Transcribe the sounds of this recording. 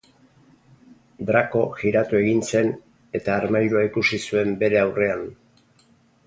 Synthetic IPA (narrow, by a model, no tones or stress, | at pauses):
d̪ɾako̞ʝiɾat̪ue̞ɣinse̞n | e̞t̪aːɾmajɾuaikusisue̞mbe̞ɾe̞awre̞an